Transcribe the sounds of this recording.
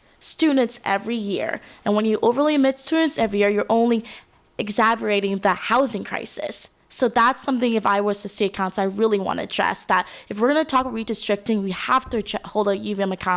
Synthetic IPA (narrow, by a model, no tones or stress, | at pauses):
stʉdⁿn̩tsɛvɹijɪ̰ɹɨ̃nwə̃njɨʔoʊvə˞liɨmɪtstʉdⁿn̩tsɛvɹijɪɹjə˞ʔõʊ̃nli | ɨɡzæbə˞eɪɾɪ̃ŋðəhaʊzɪ̃ŋkʰɹ̥a̰ɪsɨ̰sː | oʊðætsʌ̃mθɪ̃ŋɨfaɪwə̥ɨsiɨkʰãʊ̃nsaɪɹɪlˠiwɑ̰̃nɨ̰dɹɛ̰sðəɾ̚ɨfwəɹɡʌnɨtʰɔkɹidɨstɹ̥ɪk̚tɪ̃ŋwihæftɨhoʊlˠdʌjʉvɨ̃nɨkʰɑ